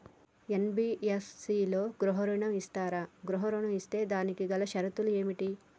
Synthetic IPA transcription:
enbiːessiːlo̞ːɡɾuɦɔɾɐɳɐmist̪aːɾaːɡɾuɦɐɾɐɳɐmist̪e̞ːd̪aːnikiɡɐlɐʃɐɾɐt̪ulue̞ːmiʈi

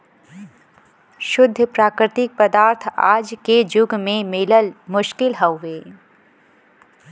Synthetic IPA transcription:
ʃʊd̪ʱːəpɾaːkɾɪt̪ɪk̚pəd̪aːɾt̪ʰa̰ːd͡ʒked͡ʒʊɡmẽmɪləlmʊʃkɪlɦəwːeː

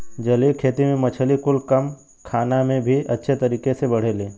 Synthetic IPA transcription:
d͡ʒɐlikʰeːt̪imẽmɐt͡ʃʰəlikʊlkəm | kʰaːnamẽbʱiʔɐtːʃʰet̪ɐɾiːkesebɐɽ̤elẽː

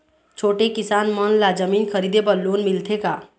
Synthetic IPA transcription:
t͡ʃʰoːʈekɪsaːnmənlad͡ʒəmiːnkʰəɾiːd̪ebəlːoːnmɪlt̪ʰekaː

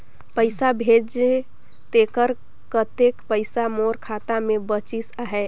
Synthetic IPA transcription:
pəɪsabʱed͡ʒe | t̪ekəɾ | kət̪ekpəɪsamoɾkʰat̪amebət͡ʃisaɦɛ

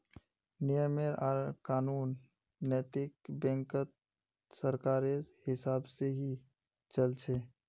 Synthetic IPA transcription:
nɪjəmeɾaːɾkaːnuːnː | ɛːt̪ɪk̚bɛ̃ːŋkət̪̚ | səɾkaːɾehɪsaːbseɦi | t͡ʃəlt͡ʃʰeː

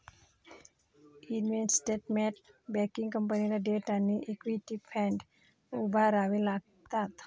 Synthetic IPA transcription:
inʋensʈeʈ̚meʈ̚bɛkiŋkəmpaniɾaɖeʈaniʔikwiʈipʰɛɳɖ | ubʱaɾaʋilaɡ̚ | t̪at̪

